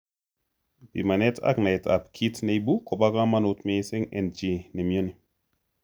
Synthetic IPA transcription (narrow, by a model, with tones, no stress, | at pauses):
bi˨ma˨ne˦tʰa̰˦kna˨jtʰa̰˨pkʰi˦tne˨jbu˦ko˨ba˦ka˦ma˦no˨tme˦se˦ŋḛ˨nd͡ʒi˨ne˨mjo˦ni˨